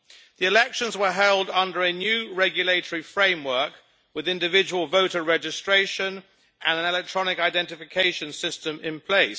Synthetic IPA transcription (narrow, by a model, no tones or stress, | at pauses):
ðiɪlɛkʃə̃nzwəɦɛlˠdʌ̃ndəɹənjʉːɹɛɡjəleɪtəɹifɹẽɪ̃mwɜˑ˞k | wɪðɪ̃ndɪvɪd͡ʒəwəlˠvəʊtəɹɛd͡ʒɪstɹ̥eɪʃə̃n | ʔə̃nə̃nɛlɛk̚tʰɹ̥ɒnɪkaɪdɛ̃ntɪfɪkʰeɪʃə̃nsɪstə̃mɪ̃npʰl̥eɪs